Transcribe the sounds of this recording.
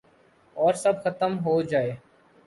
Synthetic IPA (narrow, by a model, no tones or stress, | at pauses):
ɔːɾsɐbxət̪əmɦod͡ʒaːeː